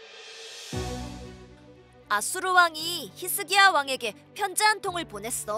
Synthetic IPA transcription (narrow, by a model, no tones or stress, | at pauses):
asʰuɾuwaŋiçisʰɯɡiawaŋe̞ɡe̞ | pʰjʌnd͡ʑeɦantʰoŋɯɭponɦe̞s͈ʌ